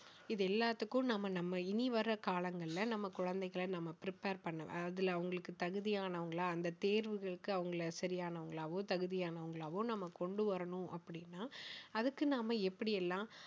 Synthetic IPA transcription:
ɪðɛlːaːt̪ːɯkːʊ̃nɐmːɐnɐmːɐɪniʋɐɾɐkaːlɐŋɡɐɭɪlɐnɐmːɐkʊɻɐnd̪ɐɪɣɐɭɐnɐmːɐpɪɾɪpeːɾpɐɳːɐʋɛ̰̃ɐðɪlɐɐʋɐŋɡɐɭɯkːɯt̪ɐɣɯðɪjaːnɐʋɐŋɡɐɭaɐnd̪ɐt̪eːɾʋɯɣɐɭɯkːɯɐʋɐŋɡɐɭɐsɐɾɪjaːnɐʋɐŋɡɐɭaːʋõːt̪ɐɣɯðɪjaːnɐʋɐŋɡɐɭaːʋõnɐmːɐkɔɳɖɯʋɐɾɐɳʊ̃ʔɐpːɐɽɪnːaːɐðɯkːɯnaːmɐɛpːɐɽɪjɛlːãː

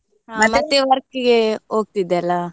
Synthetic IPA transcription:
mɐtmɐt̪ːeʋɐɾkiɡeoːɡ̚t̪id̪ːeɐlːa

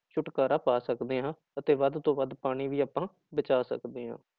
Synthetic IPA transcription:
t͡ʃʰʊʈkaːɾaːpaːsəkd̪eːɦãː | ət̪eːʋəd̪t̪õːʋəd̪paːɽ̃iːʋiːaːpːãː | bət͡ʃaːsə̰kd̪eːɦã̰ː

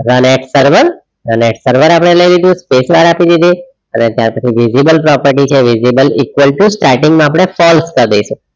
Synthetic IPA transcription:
ɾəneʈsəɾʋəɾ | ɾəneʈsəɾʋəɾapəɽ̃eləjlid̪ũspesʋaɾapid̪id̪i | ənet̪jaɾpət͡ʃʰiʋizibəlpɾɔpəɾʈit͡ʃʰeʋizibəlikʋəlʈusʈaɾʈɪ̃ŋɡmãap̬ɽ̃efɔlskəɾd̪ejʃũ

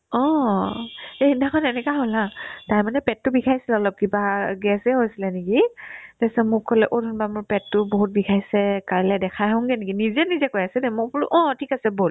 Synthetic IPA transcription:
ɔ̃ | eindakʰɔnɛnɛkaɦolataɹmanɛpɛtːʊbikʰajsilɛɔlɔp̚kibaɡɛsɛɦojsilɛnekitɛsɛmʊkʰolɛʔodunbamʊɹpɛtːʊboɦut̚bikʰajsɛkaɹlɛdɛkʰajɦɔŋɡɛnekinizɛnizɛkojasɛnɛmʊpʊɹuʔɔ̃tʰikasɛbol

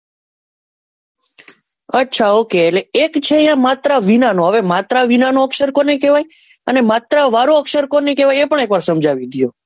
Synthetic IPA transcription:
ətːʃʰaokeːleekt͡ʃʰejãmat̪ɾaʋinanoɦəʋemat̪ɾaʋinanoəkʃəɾkonekeʋaj | ənemat̪ɾaʋaɾoəkʃəɾkonekeʋajepəɳekʋaɾsəmd͡ʒaʋid̪jo

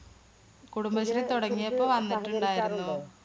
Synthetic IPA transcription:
kuɽumbɐɕɐrit̪uɽɐŋːijɐpːoːʋɐnːiʈːuɳɖaːjiɾunːu

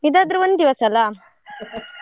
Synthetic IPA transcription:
id̪ad̪ɾuʋond̪iʋɐsɐlaːm

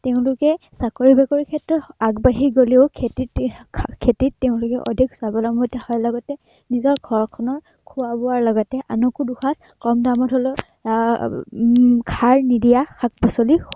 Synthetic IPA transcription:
teʊ̃lʊkɛ | sakoɹibɛkoɹikʰɛtɹɔtaɡbaɦiɡoleʊkʰetitkʰetitːeʊ̃lʊkɛʔɔ̰dʱiksabɔlamotahɔjlɔɡɔtɛ | nizɔɹɡʱɔɹkʰɔnɔɹ | kʰuwabɔwaɹlɔɡɔtɛʔanɔkuduxʰas | kɔmdamɔtholɔ | kʰaɹnidijaxak̚bɔsoli

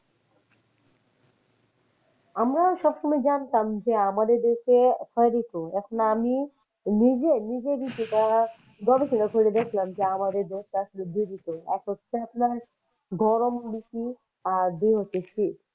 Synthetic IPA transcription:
amɾaʃɔbʃɔmajd͡ʑant̪amd͡ʑeamad̪eɾd̪eʃet͡ɕʰɔeɾikoɛkʰonami | nid͡ʑenid͡ʑebiʃiʈa | ɡɔbiʃʰinokʰoɾed̪ekʰlamd͡ʑeamad̪eɾd̪oʃʈaaʃnod̪iɾikoɛ̰kɦotːɕʰeapnaɾ | ɡɔɾombiki | ad̪iɦotʰːeʃʰi

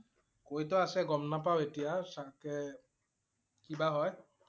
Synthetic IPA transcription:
kojtɔasɛɡɔmnapawetijasakɛ | kibaɦɔj

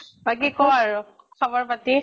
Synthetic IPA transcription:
baɡikɔaɹʊ | xɔbɔɹpati

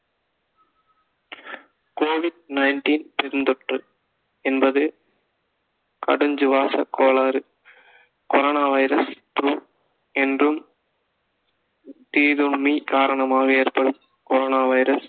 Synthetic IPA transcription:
koːʋɪɖnɐɪnʈiːnpɛɾɯnd̪ɔʈrɯ | ɛnbɐðɯ | kɐ̰ɽɯɲd͡ʒɯʋaːsɐkːoːlaːɾɯ | kɔɾoːnaːʋɐɪɾɐst̪uː | ɛndrɯm | t̪iːðuɳmikaːɾɐɳɐmaːɣɐeːɾpɐɽɯm | kɔɾoːnaːʋɐɪɾɐs

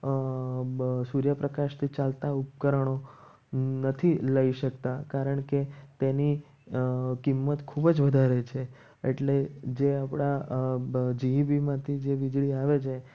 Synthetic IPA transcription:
suɾjəpɾəkaʃt̪ʰit͡ʃalt̪aup̚kəɾəɳ̃o | nət̪ʰiləiʃəkt̪akaɾəɳket̪eni | kimːət̪kʰubd͡ʒʋəd̪ʱaɾet͡ʃʰe | ḛʈled͡ʒeapɽ̃a | d͡ʒiɦibimãt̪ʰid͡ʒeʋid͡ʒɭiaʋet͡ʃʰe

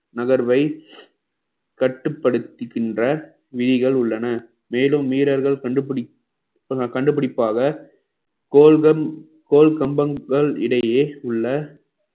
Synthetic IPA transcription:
nɐɣɐɾʋɐɪ | kɐʈːɯpːɐɽɯt̪ːɯkːɪndrɐ | ʋɪðɪɣɐɭʊɭːɐnɐ | meːlɯmːiːɾɐɾɣɐɭkɐɳɖɯpɪ | kɐɳɖɯpːɪɽɪpːaːɣɐ | oːɐ | koːlkɐmbɐŋɡɐɭɪ̰ɽɐjeːʊɭːɐ

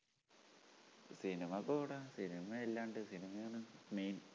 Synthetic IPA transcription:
sinimɐkoːɽɐsinimɐelːaːɳɖɨsinimɐjanɨmiːn

